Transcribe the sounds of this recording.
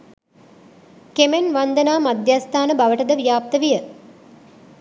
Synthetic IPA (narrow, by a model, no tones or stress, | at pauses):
kemenʋand̪ənaːmad̪jast̪ʰaːnəbaʋəʈəd̪əʋijaːp̚t̪əʋijə